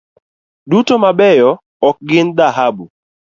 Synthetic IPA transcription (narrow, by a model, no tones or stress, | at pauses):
dutomabɛjɔ | ɔk̚ɡɪnd̪aɦabu